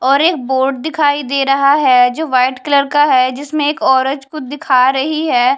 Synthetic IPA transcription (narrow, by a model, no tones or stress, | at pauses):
ɔːɾeːk̚boːɾɖ̚d̪ɪkʰaːid̪eːɾɐɦaɦɛd͡ʒoːʋaːɪʈkɪləɾkaɦɛd͡ʒɪsmẽeːkɔːɾə̃d͡ʒkʊd̪ɪkʰaːɾɐɦiɦɛː